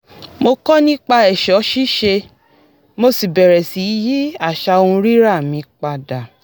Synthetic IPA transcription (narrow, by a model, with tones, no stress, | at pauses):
mo˧kɔ˦nĩ˦k͡pa˧ɛ˨ʃɔ˨˦ʃi˦ʃe˧ | mo˧si˨bɛ˨ɾɛ˨si˨˦ji˦a˦˨ʃa˧o˧ũ˧ɾi˦ɾa˦˨mĩ˨˧˦k͡pa˧da˨